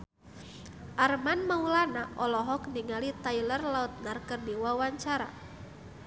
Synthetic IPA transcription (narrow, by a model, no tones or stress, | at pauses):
ʔarmanmaulanaʔɔlɔɦɔkniŋalit̪ailərlaut̪̚narkərdiwawaɲt͡ʃaɾa̰